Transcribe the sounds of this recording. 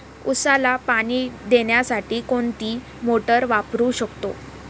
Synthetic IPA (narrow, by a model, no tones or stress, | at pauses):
usalapaɽ̃iːd̪eɳjasaʈiːkoɳt̪iː | moʈəɾʋapɾuːɕəkt̪o̰